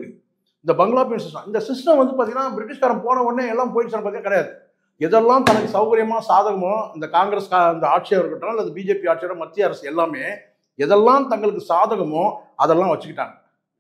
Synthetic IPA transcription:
ɪnd̪ɐbɐŋɡɐɭaːp̬ɪjɐnsɪsʈɐ̃ɪnd̪ɐsɪsʈɐ̃mʋɐnd̪ɯpaːt̪iŋɡɐnːaːbɪɾɪʈ̬ːɪʂkaːɾɐ̃mpoːnɐ̃ɔnːeːɛlːaːpoːjɪʈːɯt͡ʃːɐːnɐpat̪ːiːɐ̃kːɪɽɐjaːðɯ | ɛðɛlːãːt̪ɐnɐkːɯsɐʋɣɐɾɪjɐmaːsaːðɐɣɐmõɪnd̪ɐkaːŋɡɾeskaɪnd̪ɐaːʈ̚t͡ʃɐjɐʋɐɾkːɐʈːãɐlːɐðɯbiːd͡ʒeːpiaːʈ̚t͡ʃɛjɐɾɐmɐt̪ːɪjɐɐɾɐsɛlːaːmeː | ɛðɛlːãːt̪ɐŋɡɐɭɯkːɯsaːðɐɣɐmʊ̃ɐðɛlːãːʋɐt͡ʃːɯkːɪʈːa̰ːŋɡɐ

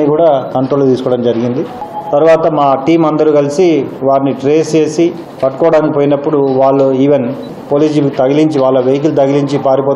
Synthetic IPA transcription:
ikuːɽaːkɐɳʈɾoːlut̪iːsukɔːɐɽɐmd͡ʒɐɾiɡind̪it̪ɐɾuʋaːt̪ɐmaːʈiːmɐnd̪ɐɾuːkɐlisiʋaːɾiniʈɾeːst͡ʃe̞ːsi | pɐʈːukɔːɽaːnikipoːjinɐpːuɽuʋaːɭːuiːʋen | poːliːd͡ʒilukut̪ɐɡiliɲt͡ʃiʋaːɭːɐʋejk̬ulut̪ɐɡiliɲt͡ʃipaːɾipoː

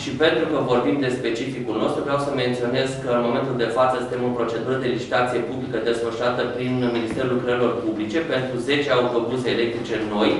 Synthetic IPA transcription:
ʃipe̞nt̪ɾukəvo̞rbimd̪e̞spe̞t͡ʃifikulno̞st̪ɾuvɾeawsəme̞nt̪sio̞ne̞zkəɨnmo̞ment̪uld̪e̞fat̪səsɨnt̪emopɾo̞t͡ʃe̞d̪uɾəd̪e̞lit͡ʃi̥t̪at̪sije̞publikəd̪e̞sfəʃɾat̪əpɾinminist̪e̞ɾulkɾəɾilo̞rpublit͡ʃe̞pe̞nt̪ɾuze̞t͡ʃeaut̪o̞ɡuzeːle̞k̚t̪ɾit͡ʃe̞no̞j

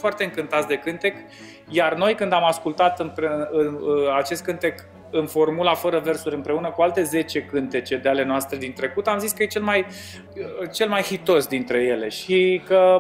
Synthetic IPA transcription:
foart̪eɨŋkɨnt̪at̪sʲd̪e̞kɨnt̪e̞k | jarno̞jkɨnd̪amaskult̪at̪ɨmpeɨnat͡ʃe̞st̪kɨnt̪e̞k | ɨnfo̞rmulafəɾəve̞rsuɾʲɨmpɾe̞unəkualt̪e̞ze̞t͡ʃe̞kɨnt̪e̞t͡ʃe̞d̪eale̞noast̪ɾe̞d̪int̪ɾe̞kut̪amziskəjet͡ʃe̞lmaj | t͡ʃe̞lmajhit̪o̞sd̪int̪ɾe̞je̞le̞ʃikə

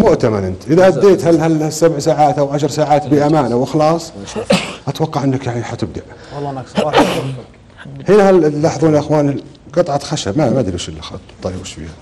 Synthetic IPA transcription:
mʊʔt̪amanʔɪnt̪ʔɪðaʔad̪ːeːt̪halhalasabʕsaːʕaːt̪ʔawʕaʃɾˤsaːʕaːt̪biʔamaːnawɪxlɑːsˤ | ʔat̪wɑqːɑʕʔɪnːakjaʕniħat̪ɪb̚d̪aʔ | hɪnahallːɑːħðˤuːnilʔɪxwaːni | qɨt̪ˤʕɑt̪xaʃabmamad̪iluʃɪlːxt̪ˤːɑlɪbʃfḭha

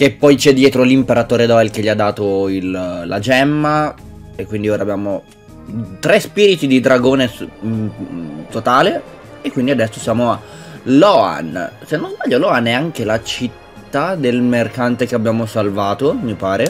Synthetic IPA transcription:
kepːɔjt͡ʃɛd̪ːjɛːt̪ɾolimpeɾat̪oːɾed̪ɔelk̟eʎːiad̪ːaːt̪oilla̰d͡ʒɛmːa | ekːwind̪ioːɾaːbːjaːmo | t̪ɾɛspiːɾit̪id̪id̪ɾaɡoːne | t̪ot̪aːle | ekwind̪iad̪ɛsːosjaːmoa | lɔa̰nsenːonzbaʎːolɔanːɛaŋkelat͡ʃit̪ːad̪elmerkant̪ekeabjaːmosalvaːt̪omipaːɾe

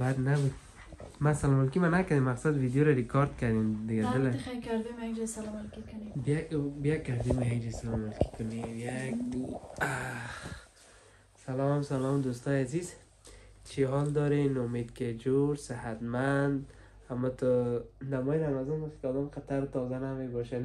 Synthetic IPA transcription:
baɾnabud̪ | masalɔmalkimanakad̪emːaqsad̪vid̪joɾaɾikʰɔɾd̪kad̪emd̪ɪɡad̪ɪlaajkaɾd̪emaɡd͡ʒɛsalɔmalkikʊnibabijakaɾd̪emiaɡd͡ʒasalɔmalki̥kʊnejak̚ | a | salɔmsalɔmd̪ust̪ɔjaziz | t͡ʃʰiɦɔld̪ɔɾenʊmed̪ked͡ʒoɾsɪhat̪mand̪ | hamɔt̪ɔnamɔjiɾamazɔnb̪ɔskad̪ɔmqat̪aɾt̪ɔzanamebɔʃan

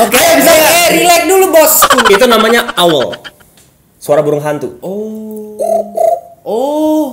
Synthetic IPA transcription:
okejabisakaɾilɛk̚dulubɔskuit̪unamaɲaawə̰l | suaɾabuɾʊŋɦant̪u | ɔ

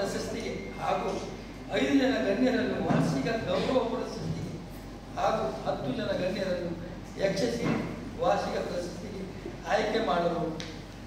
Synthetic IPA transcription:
ɐʃɐst̪iɡehaːɡuː | ɐjd̪ud͡ʒɐnɐɡɐɳːjɐɾɐnːuʋaːʃiɡɐɡɐwɾɐʋɐpuɾɐʃɐst̪iɡe | haːɡuhɐt̪ːud͡ʒɐnɐɡɐnːjɐɾɐnːu | ekʂɐsiʋaːʃiɡɐpɾɐʃɐst̪iɡe | aːjkemaːɽɐɾu

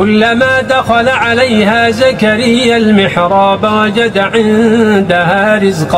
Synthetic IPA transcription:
ʊlːamaːd̪axalaʕalajhaːzakaɾɪjːalmɪħɾˤɑːbawɑd͡ʒad̪aʕɪnd̪ahaːɾɪzq

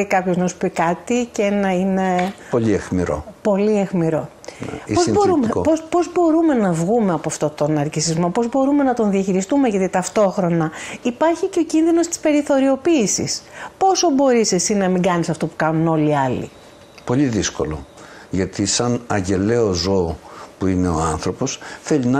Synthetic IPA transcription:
ikɐpçoznɐsu̥pikɐt̪iceenɐine̞po̞ʎiexmḭɾo̰po̞liexmiɾo̞ | n̰pozsbo̞ɾumeo̰pospo̞zbo̞ɾume̞nɐvɣumeɐpoɐft̪o̞t̪o̞nɐɾcisizmo̞po̞zbo̞ɾume̞nɐt̪o̞nðiɐçiɾist̪umeʝɐt̪it̪ɐft̪o̞xɾo̞nɐipɐɾçiceo̞cinðino̞st̪i̥spe̞ɾiθo̞ɾio̞piːsḭspo̞so̞bo̞ɾisesinɐmiŋɡɐnisɐft̪o̞pukɐnuno̞liɐlḭ | po̞ʎiðisko̞̰lo̞̰ | ʝɐt̪ʰisɐnɐʝe̞le̞ozoːpuine̞o̞ɐnθɾo̞po̞sθe̞ʎinɐ

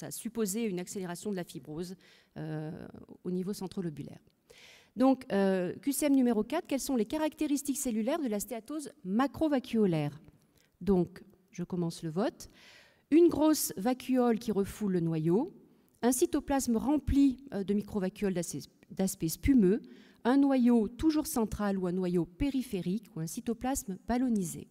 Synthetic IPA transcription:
saa̰sypozeynakseleʁasjɔ̃d̪əlafibʁoz | ø̰ | o̰nivosɑ̃t̪χɔlɔbylɛ̰ʁ | d̪ɔ̃køkʲyseɛmnymeʁokat̪χkɛlsɔ̃lekaʁak̚t̪eʁist̪ikselylɛʁd̪əlast̪eat̪ozmakχovakʲʰyɔlɛʁ | d̪ɔ̃k | ʒəkɔmɑ̃sləvɔt̪ | ynɡʁosvakʲʰyɔlkʲiʁəfulːənwajo | ɛ̃sit̪oplasmʁɑ̃plid̪əmikχovakʲyɔld̪ | d̪aspɛspymø | ɛ̃nwajot̪uʒuʁsɑ̃t̪χaluɛ̃nwajopeʁifeʁikʰuɛ̃sit̪ɔplasmb̥alɔnizḛ

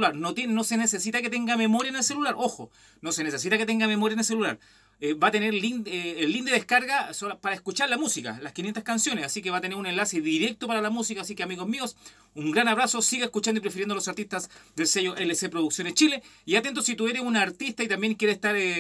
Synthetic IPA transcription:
laɾnot̪jennosenesesit̪aket̪eŋɡamemo̞ɾjaenelse̞lulaɾʔoxo | nose̞nes̬esit̪aket̪eŋɡamemo̞ɾjaenels̬elulaɾ | ebat̪e̞neɾlineːlːind̪eðehkaɾɣasopaɾaeskut͡ʃaɾlamusika̰laskinjent̪ahskansjo̞nesasik̬eβat̪e̞neɾune̞nlaseðiɾe̞k̚t̪opaɾalamusikaːs̬ikeamiɣozmio̞s | uŋɡɾanaβɾaso̞siɣaeskut͡ʃand̪ipɾefiɾend̪olosaɾt̪ist̪azd̪elsejoʔelesepɾoðuksjo̞net͡ʃileiat̪e̞nt̪osit̪ueɾesunaːɾt̪ist̪ait̪ambje̞ŋkjeɾesest̪aɾ

